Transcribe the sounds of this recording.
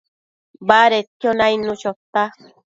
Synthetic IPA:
baɾet̪jonajnũt͡ʃot̪a

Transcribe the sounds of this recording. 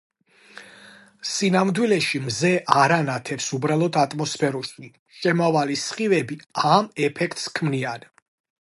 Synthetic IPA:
sinamd̪wilɛʃimzɛʔaɾanat̪ʰɛpsubɾalˠɔd̪ʰat̪ʼmɔspʰɛɾuʃi | ʃɛmavalisχivɛbiamɛpʰɛkʰt̪ʼskʰmnian

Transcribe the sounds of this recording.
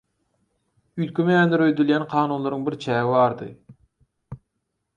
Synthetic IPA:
yjt̪̚kʲʰymejænd̪eɾøjd̪yljænqʰɑːnuːnlˠɑɾɯŋbiɾt͡ʃʰæːvivɑːɾd̪ɯ̰

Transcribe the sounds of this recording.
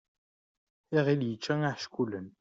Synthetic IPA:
iʁiljət͡ʃːæŋaħʃkʷulən

